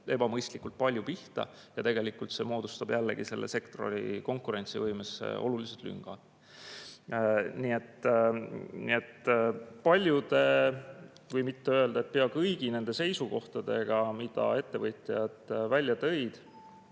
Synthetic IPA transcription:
e̞bɑmɤjst̪likːˑult̪̚pɑlʲjupiht̪ɑ̰jɑt̪e̞ɡ̥e̞likːˑult̪se̞mo̞ːd̪̥ust̪ɑb̥jælːe̞̰ɡ̥ise̞̰lːʔe̞̰se̞kt̪oro̞̰lḭko̞ŋkˑuɾe̞nʲt̪sivɤjmesːḛʔo̞̰luliset̪ly̰ŋɡ̥ɑ̰d̪̥ | niːe̞t̪ | nḭe̞t̪ːpɑlʲjud̪e̞ | vɯjmit̪ːe̞ø̞eld̪ɑet̪̚peɑkɤjɡ̥ine̞nd̪̥e̞se̞jsuko̞ht̪ɑd̪̥e̞ɡ̥ɑmid̪̥ɑ̰e̞t̪ːe̞vɤjt̪ʲˑjjɑd̪̥vælʲjɑt̪ɤ̞jd̪̥

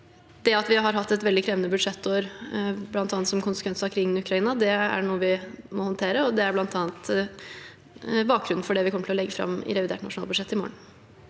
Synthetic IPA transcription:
d̪ɛɑt̪ʋɪɦɑɾɦɑt̪ːɛt̪ʋɛld̪ɪkʰɾeːʋənəbʉd̪ʂɛt̪ːoɾblɑnt̪ɑːnt̪sɔmkʰʊnsə̥kʰʋɛnsəɑkʰɾɪŋːənɪʉkɾɑiːnɑd̪ɛæ̰ɳuːəʋɪmɔhɔnt̪ʰeːɾəɔd̪ɛæɾblɑnt̪ʰɑːnt̪ | bɑːk̚ɡɾʉnn̩fɔɖɛʋɪkʰɔmːəʈʰɪllɛɡːəfɾɑ̰mːɪ̰ɾɛʋɪd̪eːʈnɑ̰ʂʊnɑːlbʉd̪ʂɛt̪ːɪmo̰ːəɳ̩

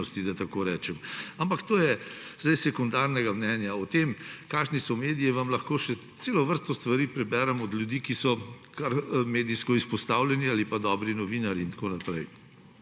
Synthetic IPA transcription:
ɔst̪id̪ɐt̪akoːɾɛːt͡ʃɛmampakt̪oːjɛz̥d̪ajsɛkund̪aɾnɛɡamnɛːnjaɔt̪emkaːʃnisɔmeːd̪ijiʋamlɐxkoːʃɛt̪seːlɔʋəɾst̪ɔst̪ʋaɾiːpɾɛbɛːɾɛmɔd̪ljud̪iːkisɔ | kaɾmeːd̪ijskɔispɔst̪awlʲjɛnialipad̪ɔbɾinɔʋinaɾiːnt̪koːnapɾɛj

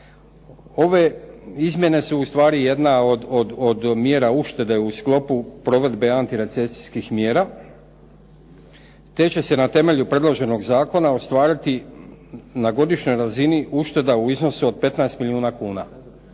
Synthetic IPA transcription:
o̞ʋe̞izmje̞ne̞suːst̪ʋaːɾije̞d̪naod̪od̪od̪mje̞ːɾauʃt̪e̞d̪e̞usklo̞pupɾo̞ʋe̞d̪be̞ant̪iɾe̞t̪se̞si̥skixmjeːɾa | t̪e̞t͡ɕe̞se̞nat̪e̞me̞ʎupɾe̞d̪lo̞ʒe̞no̞ɡzaːko̞nao̞st̪ʋaːɾit̪i | naɡo̞d̪iʃɲo̞jɾaziniuʃt̪e̞d̪auizno̞suo̞d̪̚pe̞t̪naest̪miliuːnakuːna̰

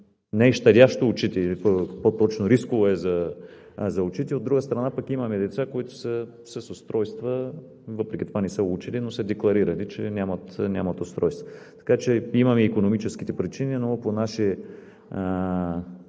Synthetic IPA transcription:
nɛiʃt̪ɐd̪ʲaʃt̪oːt͡ʃit̪ɛipopot̪ɔt͡ʃnoɾiskovoɛzɐ | zɐʊt͡ʃit̪iod̪ːɾuɡəst̪ɾɐnapɐkimɐmɛd̪ɛt̪sakoit̪ʊ̥sə | səsost̪ɾɔjst̪və | vəpɾɛkʲit̪ovanɛsəut͡ʃilinosəd̪ɛklˠɐɾiɾɐlit͡ʃɛ̰nʲamɐt̪nʲamɐt̪ost̪ɾɔjst̪vəɐt̪ɐ̥kat͡ʃɛimɐmɛːkonomit͡ʃɛsk̟i̥t̪ɛpɾit͡ʃininoponaʃi

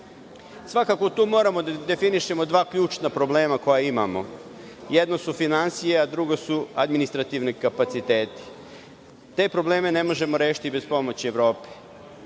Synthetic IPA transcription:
sʋakako̞t̪uːmo̞ːɾamo̞d̪ad̪e̞finiʃe̞mo̞d̪ʋaːkʎʲuːt͡ʃnapɾo̞ble̞ːmako̞jaima̰mo̞̰ | jed̪no̞sufinansijead̪ɾuɡo̞suad̪minist̪ɾat̪iʋnikapat̪sit̪e̞ːt̪i̥ | t̪e̞ːpɾoble̞ːme̞ne̞mo̞ʒe̞moɾe̞ːʃi̥t̪ibe̞spo̞mo̞t͡ɕieʋɾo̞ːpe̥

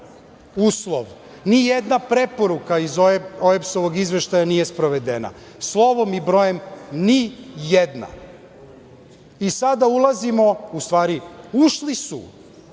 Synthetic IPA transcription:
uːslˠo̰ʋ | nijed̪napɾepo̞ɾukaizooepsoʋoɡizʋe̞ʃt̪ajanijespɾoʋed̪ena̰ | slˠo̞ʋo̞mibɾo̞jemnijed̪na̰ | isad̪aulˠazimo̞ust̪ʋaːɾiuʃlisṵ

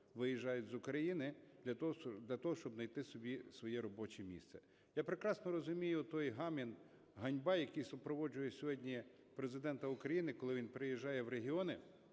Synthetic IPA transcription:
ʋɪjiʒːɑjʊtʲzʊkɾɐjinɪdlʲɐd̪lʲɐt̪ɔɦɔʃt͡ʃɔbnɐjt̪ɪsɔbʲisʋɔjɛɾɔbɔt͡ʃɛmʲḭst̪sɛ | japɾekɾɑsnɔɾɔzʊmʲijʊt̪ɔjɦɑmʲin | ɦɐnʲbɑjɐkijsʊpɾɔʋɔd͡ʒʊjɛsʲɔɦɔdʲnʲi | pɾezɪd̪ɛnt̪ɐʊkɾɐjinɪkɔlˠɪʋʲinpɾɪjiʒːɑjɛʋɾeɦʲɪɔnɪ

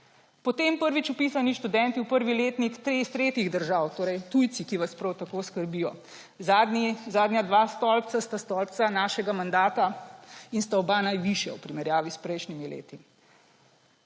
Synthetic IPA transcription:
pɔt̪eːmpəɾʋit͡ʃupiːsaniʃt̪ud̪ɛnt̪iwpəɾʋileːt̪nikt̪ɾeist̪ɾeːt̪iɣd̪əɾʒawt̪oːɾɛjt̪ujt̪sikiʋaspɾɔwt̪akoːskəɾbijɔ | zad̪zaːd̪njad̪ʋaːst̪ɔlp̚sast̪ast̪ɔlp̪sanaːʃɛɡamand̪aːt̪ainst̪aɔbanajʋiʃjɛ̰wpɾimɛɾjaːʋispɾɛjʃnimilḛːt̪i

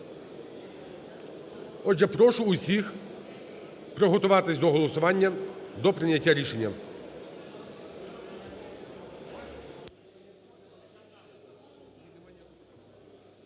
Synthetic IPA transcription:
ɔʒɛpɾɔʃʊːsʲix | pɾɔɦɔt̪ʊʋɑt̪ɪsʲd̪ɔɦɔlˠɔsʊʋɑnʲːɐd̪ɔpɾɪnʲːɐtʲːaɾʲiʃenʲːɐ

